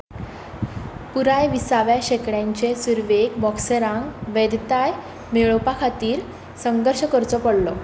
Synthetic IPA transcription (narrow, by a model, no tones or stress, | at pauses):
puɾajʋisaʋjaɕekɽjãɲt͡ɕesuɾʋekbɔksəɾãŋɡʋed̪t̪aj | meɭɔpakʰat̪iːɾ | səŋɡəɾɕəkəɾt͡sɔpəɽlɔ